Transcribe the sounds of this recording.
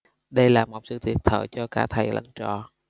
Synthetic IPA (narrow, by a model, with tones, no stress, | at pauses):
ɗə˧jlaː˨˩mo˨˩t̚sɨ̰˧˨t̪ʰi˨˩ət̚t̪ʰə̰ː˧˨˩jt͡ɕɔ˧kaː˧˩t̪ʰa˨˩jlə̰˧˥ŋt͡ɕɔ̰˧˨